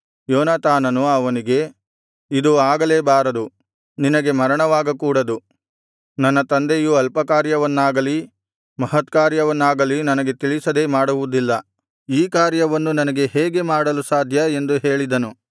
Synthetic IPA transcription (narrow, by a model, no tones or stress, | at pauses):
jɔːnaːt̪aːnɐnuɐʋɐniɡe̞ | id̪uaːɡɐleːbaːɾɐd̪u | ninɐɡe̞mɐɾɐɳɐʋaːɡɐkuːɽɐd̪u | nɐnːɐt̪ɐnd̪ejuɐlpɐkaːɾjɐʋɐnːaːɡɐli | mɐɦɐt̪kaːɾjɐʋɐnːaːɡɐlinɐnɐɡe̞t̪iɭisɐd̪e̞ːmaːɽuʋud̪ilːɐ | iːkaːɾjɐʋɐnːunɐnɐɡe̞ɦeːɡe̞maːɽɐlusaːd̪ʱjɐe̞nd̪uɦe̞ːɭid̪ɐnu